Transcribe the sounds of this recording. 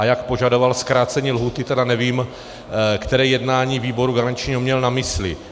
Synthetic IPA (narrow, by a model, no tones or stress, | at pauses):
ajakpo̞ʒado̞valskɾaːt͡sɛɲiːlɦuːt̪ɪt̪ɛdanɛviːm | kt̪ɛɾɛːjɛdnaːɲiːviːbo̞ɾuɡaɾant͡ʃɲiɦomɲɛlnamɪslɪ̰